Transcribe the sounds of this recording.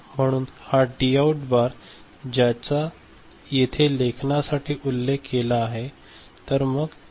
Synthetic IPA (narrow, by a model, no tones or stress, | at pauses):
m̤əɽ̃uːnhaɖiauʈbaɾ | d͡ʑjat͡sa | jet̪ʰelekʰnasaʈiːʔulːekːelaːɦe | t̪əɾməɡ